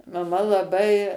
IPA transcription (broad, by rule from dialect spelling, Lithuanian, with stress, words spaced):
mɐˈmɐ lˠɐˈbɐɪ